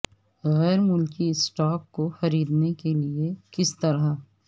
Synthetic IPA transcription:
ɣɛːɾmʊlkiɪsʈaːkːoxɐɾiːd̪nekeliekɪst̪ɐɾa

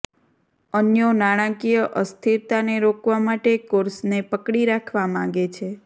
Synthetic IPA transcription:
ənjonaɽ̃ãkijəʔəst̪ʰiɾt̪aneɾokʋamaʈekoɾsnepəkɽiɾakʰʋamãɡet͡ʃʰe

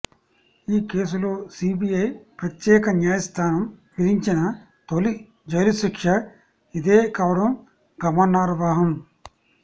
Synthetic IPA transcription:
iːkeːs̬ulo̞ːsiːbijɐjpɾɐt̪jɛːkɐnjaːjɐst̪ʰaːnɐmʋid̪iɲt͡ʃinɐ | t̪oli | d͡ʒɐjlusikʂɐ | id̪eːkaːʋɐɽɐm | ɡɐmɐnːaːɾɐʋaːɦɐm

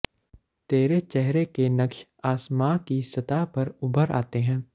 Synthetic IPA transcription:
t̪eːɾet͡ʃɛɦɾekenɐkʃaːsmaːkisɐt̪aːpɐɾʊbʱəɾa̰ːt̪eɦɛ̃ː

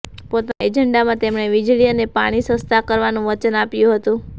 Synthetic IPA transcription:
pot̪ed͡ʒəɳɖamãt̪emɳ̃eʋid͡ʒɭiənepa̰ɽ̃isə̃st̪ʰakəɾʋanũʋət͡ʃənapjũɦət̪ũ

